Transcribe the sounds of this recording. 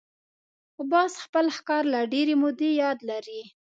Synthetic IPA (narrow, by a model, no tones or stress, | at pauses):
ʊbɑsxpəlxkɑɾlaɖeɾemʊd̪ejɑd̪laɾi